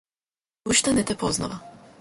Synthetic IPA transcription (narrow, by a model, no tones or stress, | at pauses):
uʃt̪anɛt̪ɛpozna̰ʋa